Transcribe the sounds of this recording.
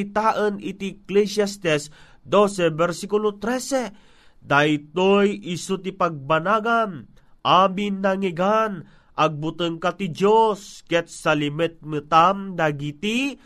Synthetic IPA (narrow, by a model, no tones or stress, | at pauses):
it̪aʔənit̪iklɛsast̪ɛs | d̪osɛbɛɾsikulot̪ɾɛsɛ | d̪ajt̪ojisut̪ipaɡ̚banaɡan | ʔabinːaŋiɡan | ʔaɡ̚but̪əŋkat̪id͡ʒoskɛt̪̚salimɛt̪̚mɨt̪amd̪aɡit̪i